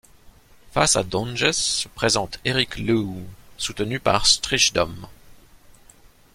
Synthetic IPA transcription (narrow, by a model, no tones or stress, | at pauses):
fasa̰d̪ɔ̃nʒɛsəpχezɑ̃t̪ʰeʁiklusut̪ənypa̰ʁst̪χiʃd̪ɔm